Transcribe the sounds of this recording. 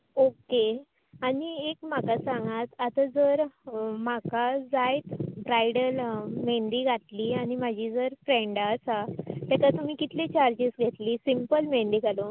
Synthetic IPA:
oke | aɽiekm̤akasãŋɡat̪at̪ad͡zəɾmakad͡zajt̪bɾajɽəlmeɳɖiːɡʱaʈ̪liːañimad͡ʑʱiːd͡zəɾfɾẽɳɖasat̪ɛkat̪um̤iːkit̪lẽt͡ɕaɾd͡ʑesɡʱet̪liːsimpəlmeɳɖiːɡʱalo

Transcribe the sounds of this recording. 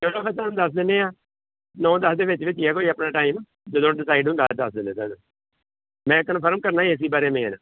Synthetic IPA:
d͡ʒədõːkɛt̪aːmd̪əsd̪eːneːaː | nɔ̃ːd̪əsd̪eːʋɪt͡ʃʋɪt͡ʃiɛːkoːiːəpnaːʈaːim | d͡ʒəd̪õːɖɪsaːiɖʊ̃nd̪aːd̪əsd̪eːnẽːt̪ɛ̰ːd̪õ | mɛ̃ːkːənpʰəɾmkəɾnaːiɪs̬iːbaːɾeːmẽːna

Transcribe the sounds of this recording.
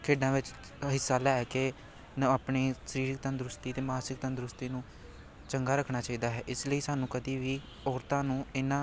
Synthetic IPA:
kʰeːɖãːʋɪt͡ʃ | ɦɪsːaːlɛɛːke | napɳeːsəɾiːɾɪkt̪ãnd̪ɾʊst̪iːt̪eːmaːsɪkt̪ə̃nd̪ɾʊst̪iːnũː | t͡ʃəŋɡaːɾəkʰɳaːt͡ʃaːiːd̪aːɦɛːʔɪsləiːsaːnũːkəd̪iːʋiː | ɔːɾt̪ãːnũːɪnãː

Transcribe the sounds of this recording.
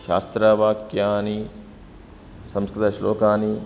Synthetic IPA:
ʃa̰ːst̪ɾɐʋaːkjaːni | sɐmskɾɪt̪ɐʃloːkaːni

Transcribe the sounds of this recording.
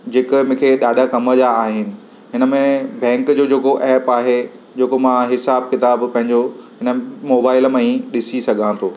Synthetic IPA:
d͡ʑeːkmʊ̃kʰeɗaːɗʱakɐməd͡ʑaːɦɪnɪ̆ | ɦɪnə̆mẽbɛ̃ːŋkd͡ʑoːd͡ʑeːkoʔɛːpaːɦe | d͡ʑeːkomãɦɪsaːb̚kɪt̪aːbpɐ̃ɦɪ̃ɲd͡ʑoɦɪnəmoːbaːɪlmẽĩɗɪsisɐɡʱãt̪ʰoː

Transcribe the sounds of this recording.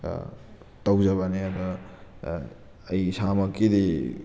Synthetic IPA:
tɐwd͡ʒɐβɐneabɐ | jsamɐkːidi

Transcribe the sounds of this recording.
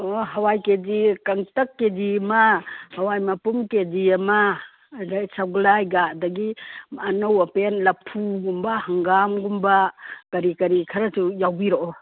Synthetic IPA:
oɦɐwajkedikaŋtɐkːedimahɐwajmapumkediɐma | dsaɡlajɡadɐɡimanowɐpenlɐpʰuɡumbahɐŋɡamɡumbakɐɾikɐɾikʰɐɾɐsujawbiɾoʔɔ

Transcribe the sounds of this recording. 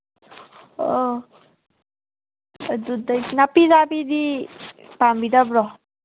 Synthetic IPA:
d̪ud̪anapizapid̪i | pambid̪abɾɔ

